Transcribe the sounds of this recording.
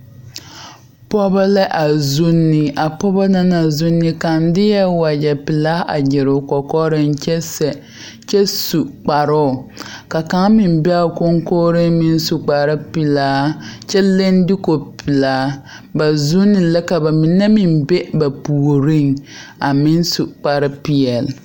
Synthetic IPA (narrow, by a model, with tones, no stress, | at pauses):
pɔ˦ba˦lɛ˦ʔa˨zu˦nːɪ˨a˨pɔ˦ba˦na˦na˨zu˦nːɪ˦ka˨n˦dɪ˦jɛ˦wa˨d͡ʒɛ˨pi˨laː˦ʔa˨d͡ʒɪ˨ɾʊ˨kɔ˨kɔ˦ɾɪ˦nt͡ʃɛ˦sɛ˨ | t͡ʃɛ˦su˨k͡pa˨ɾʊ˦ʊ˨ka˨ka˦ŋmɪ˨m˦bɛ˦a˨ko˦ŋkoː˦ɾɪ˦nmɪ˦n˦su˨k͡pa˨ɾɪ˦pi˨laː˦t͡ʃɛ˦le˦n˦dɪ˦ko˨pʰi˨laː˨˦ | ba˨zu˦nːɪ˨lɛ˦ka˨ba˨mi˨nɛ˦mi˨mbe˦ba˨pu˨o˨ɾi˦ŋa˨mɪ˦n˦su˨k͡pa˨ɾɪ˦pi˦ɛ˨l